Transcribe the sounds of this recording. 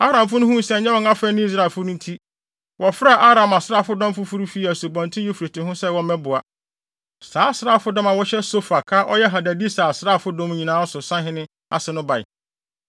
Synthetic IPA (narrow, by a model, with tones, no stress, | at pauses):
a˦ɾã˨mfʊ˦nʊ̃˦hũ˦sɛ˦˨ɲɛ̃˦wɔ̃˦ŋa˦fɛ˦nʊ̃˦i˦s̬ɾa˨fʊ˦nʊ̃˦n˦tʰi˦ | wɔ˨fa˨ʔa˦ɾã˨ma˨sɾa˦˨fʊ˦dɔ̃˦m˦fʊ˦fʊ˦ɾu˦fi˦æ˨so˨bɔ̃˨n˨tʰɪ̃˦e˦fu˨ɾe˨tʰɪ̃˨hʊ̃˦sɛ˦wɔ˦mɛ̃˦bʊ˨a˨ | saː˨˦sɾaː˦˨fʊ˦dɔ̃˦mã˨wɔ˦ɕɛ˦so˦fa˨kʰa˦ʔɔ˦jɛ˦ɦa˨dæ˨di˦saː˨a˨sɾa˦˨fʊ˦dɔ̃˦m˦ɲĩ˨nãː˨˦ɔ˦sʊ˨sã˦ɦɪ̃˦nɪ̃˦ | a̰˨sɪ˨nʊ̃˦ba˨ɪ̰˨